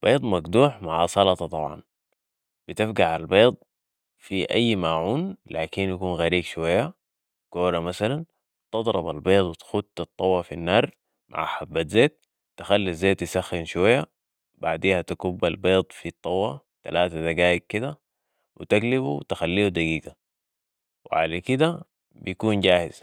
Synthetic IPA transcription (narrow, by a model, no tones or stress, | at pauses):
b̥eːd̪ˤmaɡd̪uːħmaʕasˤɑlɑt̪ˤɑt̪ˤɑbʕɑ̰n | b̥it̪ɪfɡaʕalbeːd̪̚ˤ | fiʔa̰jːmaːʕuːnlaːkinjakuːnɣaɾiːɡʃuwajːa | koːɾamasalan | t̪ɨd̪ˤɾˤɑba̰lbeːd̪ˤwɪt̪xud̪ɑt̪ˤːɑwɑfinːɑːɾˤ | mʔa̰ʕħabːat̪zeːt̪̚ː | axalːazːeːt̪jisaxːinʃuwajːa | baʕd̪iːhat̪akubːalbeːd̪ˤfit̪ˤːɑwːɑ | t̪alaːt̪ad̪aɡaːjiɡ̚kːid̪a | wit̪aɡlibuwt̪axalːiːud̪aɡiːɡa | wʕa̰lakid̪a | bijkuːnɟaːhiz̥